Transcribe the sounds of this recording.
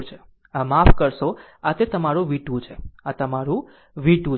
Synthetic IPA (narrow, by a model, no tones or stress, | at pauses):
t͡ʃʰe | amafkəɾʃo | at̪et̪əmaɾũʋiʈũt͡ʃʰeat̪əmaɾũ | ʋiʈũ